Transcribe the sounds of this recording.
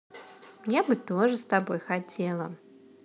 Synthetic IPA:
jabɨt̪ɔʐɨst̪abɔjxat͡sʲɛlˠɐ

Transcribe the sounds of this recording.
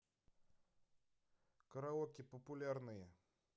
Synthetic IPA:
kəɾaokʲɪpəpʊlʲarnɨjə

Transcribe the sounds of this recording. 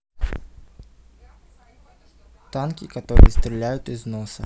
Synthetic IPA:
t̪ankʲikat̪ɔɾɨ̰jɛst̪ɾʲɪlʲæjʊt̪iznɔsɐ

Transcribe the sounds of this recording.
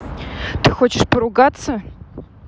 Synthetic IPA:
t̪ɨxot͡ɕɪʂpəɾʊɡat̪sə

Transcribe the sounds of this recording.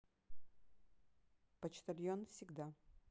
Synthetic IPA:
pɐt͡ɕt̪ɐlʲjonfsʲɪɡd̪a

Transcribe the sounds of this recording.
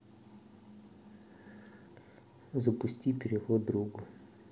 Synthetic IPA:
zəpʊsʲtʲipʲɪɾʲɪxɔd̪ɾuɡʊ

